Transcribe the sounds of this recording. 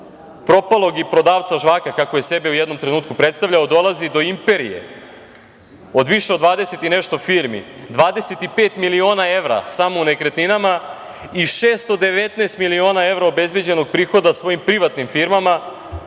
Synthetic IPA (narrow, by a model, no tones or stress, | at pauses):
pɾo̞palˠo̞ɡipɾo̞d̪aːʋt̪saʒʋaːkakakojesebeujɛd̪nomt̪ɾe̞nuːt̪kupɾet̪st̪aʋʎaod̪o̞lˠazid̪o̞impe̞ɾḭje̞̰ | o̞d̪ʋiʃeod̪ʋaːd̪ese̞t̪ineʃt̪o̞fiɾmḭd̪ʋaːd̪ese̞t̪ipeːt̪milio̞ːnae̞ʋɾa̰samoune̞kɾet̪ninama | iʃeːst̪od̪e̞ʋet̪naest̪milio̞ːnae̞vɾaobe̞zbe̞d͡ʑe̞no̞ɡ̚pɾiːxo̞d̪asʋo̞jimpɾiʋat̪nimfiɾmama